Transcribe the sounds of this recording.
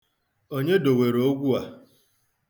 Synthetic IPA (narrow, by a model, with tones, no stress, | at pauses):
o˦ɲe˦do˨we˨ɾo˦ɡʷu˦a˨